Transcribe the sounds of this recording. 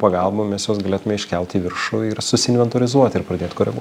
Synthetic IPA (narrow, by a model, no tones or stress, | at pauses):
pɐɡɐlˠbomʲɛsjoːsɡɐlʲeːt̪ʊmʲɛɪʃʲkʲɛlʲt̪ʲːʋʲɪɾʃʊɪɾsʊsʲɪnʲʋʲɛnt̪oːɾʲɪzuɔt̪ʲɪɾpɾɐd̪ʲeːt̪ʲkoːɾʲɛɡṵɔ